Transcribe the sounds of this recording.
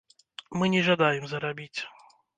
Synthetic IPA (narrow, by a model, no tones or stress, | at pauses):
mɨnʲɛʐad̪ajɛmzɐɾabʲit͡sʲ